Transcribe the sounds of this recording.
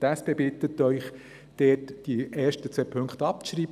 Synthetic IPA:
tæspeːbɪt̪ət̪œʏχ | d̪̥ɛːtd̥iʔɛːɾʃtət͡seːpʰɵŋkt̪ɑp̚ʃɾiːb

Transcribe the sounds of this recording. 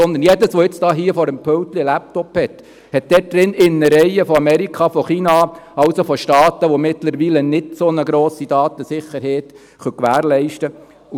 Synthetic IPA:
ɔnd̪ənjɛdəsʋoɪt͡sd̥ɑːɦiəfɔɾəmpʰœlt̪lilæp̚t̪ɔphɛt̪ | hɛt̚d̥̪ɛt̚d̪ɾɪnɪnːəɾɛjəfɔɑmɛɾikʰχɑfɔχiːnɑɑʊsofɔʃtɑːt̪əʋomɪt̪ləɾʋiːlənɪd̥sonəɡɾoːsid̥̪ɑːt̪əsɪχːəɾɦɛːt̪ | χœkʋæːɾlɛɪʃtə | u

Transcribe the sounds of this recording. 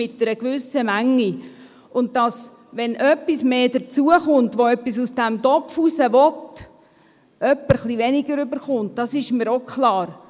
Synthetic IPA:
ɪtnəɾəkʋʏsːəmæŋːi | ʔʊnt̚d̥ɑs | ʋɛnʔœpːismeːdəɾt͡suəχʊnt̪ʋoœpːisusd̥æmdɔpfusəʋɔt | œpːəɾχliʋɛnɪɡəɾʏbəɾχʊnt̚d̥ɑsɪʃmiɾokχlɑːɾ

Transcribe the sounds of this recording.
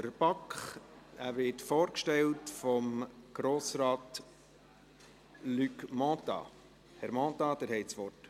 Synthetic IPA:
əɾb̥ɑkχæɾʋɪtfoːɾkʃtɛltfɔmɡ̥ɾoːsɾɑːt | lykmɔ̃t̪ɑ̰ | hɛɾmɔ̃ːt̪ɑd̪ɛɾhɛɪtsʋɔrt

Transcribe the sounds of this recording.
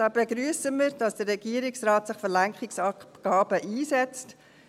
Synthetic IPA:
ɑːbeɡɾyːəsəmiːɾdɑsd̥ərːɛɡiːɾɪksraːtsɪχfəɾlæŋkχɪksɑɡ̥ɑːbəʔiːsɛt͡st

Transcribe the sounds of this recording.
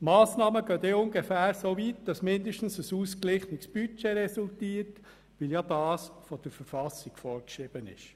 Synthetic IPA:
mɑːsnɑːməɡøːteʊnɡefæːɾsovitd̥ɑsmɪndəʃtn̩səsuːsklɪχnɪksb̥yt͡ʃeɾɛsultiːət | ʋɪljadɑːsfɔd̥əɾfəɾfɑsɪɡ̥fɔːɾkʃɾɪb̥ənɪ̰ʃ

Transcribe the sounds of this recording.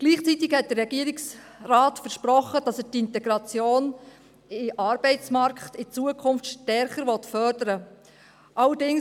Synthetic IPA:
ɡ̥liːχt͡sit̪ɪɡhɛt̚d̥ərːɛɡiəɾɪksraːtfəɾʃpɾɔχːəd̥ɑsɛtɪnt̪ɛɡ̥ɾɑt͡sjoːn | ɪʔɑɾb̥ɛɪt͡smɑɾkχt̪ɪt͡suəkʰʊnftʃtɛɾχəɾʋɔtfœɾdəɾə | ʔɑlədɪŋ

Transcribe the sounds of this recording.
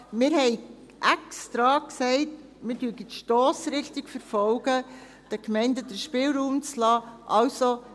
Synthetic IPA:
mɪːɾhɛɪ | ʔɛkstɾɑːksɛɪt | mɪdyəɡitʃtɔːsɾɪχtiɡfəɾfɔlɡ̥ə | d̥əkmɛɪndədəɾʃpɪːlɾuːmt͡slɑːʔɑwso

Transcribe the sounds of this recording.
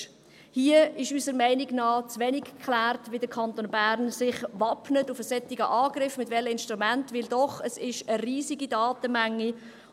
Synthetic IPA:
hiəɪʃysəɾmɛɪniɡnɑːt͡sʋɛnikkʰlæːrtʋidəɾkʰɑntoːnbæɾnsɪχvɑpnətufəsɛtiɡəʔɑːɡɾɪfmɪtvɛləɪnʃtʁumæntʋɪldɔχəsɪʃəriːziɡidɑːtəmæŋːi

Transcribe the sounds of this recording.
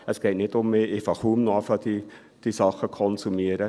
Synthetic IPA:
əsɡ̥eːt̚nɪtʊmːeʔefɑχuːmnoɑfɑd̥i | d̥isɑχəkʰɔnsumiəɾə

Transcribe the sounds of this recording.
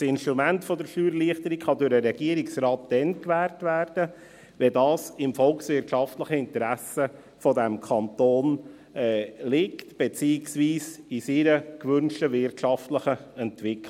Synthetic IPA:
sɪnʃtɾumæntfɔdəɾʃyːɾliəχt̪əɾikχɑdʊɾəɾɛɡ̥iəɾɪksɾɑːtd̥ɛnkʋæːɾtvæːɾd̥ə | ʋɛdɑːsɪmfɔlksʋɪɾtʃɑftləχəɪntɾæsə | fodɛmkʰɑntoːn | ɛlɪktb̥et͡siːɪksʋiːsisiɾəkʋʏnʃtəʋɪrtʃɑftləχəɛntʋɪkl

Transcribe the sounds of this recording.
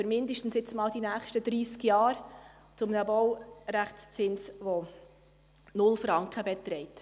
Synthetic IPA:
fyɾmɪnd̪əʃtn̩sɪt͡smɑːld̥inæːχʃtəd̪ɾiːskjɑːɾ | t͡sʊmnəbɔwɾæχt͡st͡sɪnsʋo | nʊlfɾɑŋkχəbɛt̪ɾɛɪt

